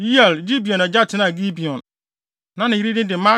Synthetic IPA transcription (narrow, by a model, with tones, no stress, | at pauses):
i˦ɛ˨lɡi˦bi˨ɔ̃˨nɛ˨d͡ʑa˦tʰɪ˨˦nã˦˨ɡi˦bi˨ɔ̃˨n | nã˦nɪ̃˨i˦ɾi˦dɪ̃˦dɪ˨˦mã˦